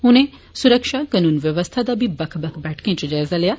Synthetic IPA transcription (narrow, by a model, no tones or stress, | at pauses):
ʊnẽ | sʊɾəkʃakɐnuːnʋjɐʋəst̪ʰad̪abʱibɐkʰbɐkʰbɛːʈʰkẽt͡ʃid͡ʒaːjzalɪja